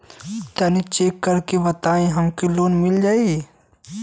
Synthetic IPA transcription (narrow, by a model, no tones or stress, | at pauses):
t̪ɐnit͡ʃeːkːɐɾkeʋɐt̪aːẽɦɐmkiloːnmɪld͡ʒaːi